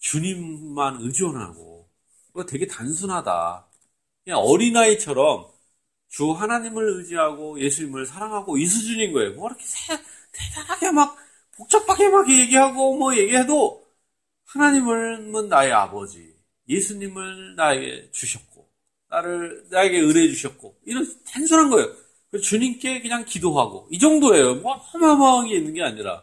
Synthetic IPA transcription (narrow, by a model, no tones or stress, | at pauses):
t͡ɕuɲimːanɯd͡ʑʌnɦa̰ɡo̰ | twe̞ɡe̞tans̬ʰunɦada̰ | kɲeʌɾinait͡ɕʰʌɾʌm | t͡ɕuɦanaɲimɯɭɯd͡ʑiɦaɡoje̞sʰuɲimɯɭsʰaɾaŋɦaɡois̬ʰud͡ʑuɲinɡʌe̞jomʌiɾʌkʰe̥sʰe | nedaɾaɡʰemak̚ | pok̚t͡ɕ͈ʰʌk̚p͈ʰakʰemakʰeje̞ɡiɦaɡomwʌje̞ɡiɦedo | hanaɲimɯɭmɯnːae̞a̰bʌd͡ʑḭ | je̞sʰuɲimɯɭnae̞ɡe̞̰t͡ɕuɕʰʌt̚k͈o̰ | naɾɯɭnae̞ɡe̞ɯɾe̞d͡ʑuɕʰʌt̚k͈oiɾʌntansʰuɾɦanɡʌe̞jo | kɯt͡ɕuɲimk͈e̞kɯɲaŋkidoɦaɡo̰id͡ʑʌŋdoe̞jomʌapʰomamaɯŋiinːɯnɡeaɲiɾa̰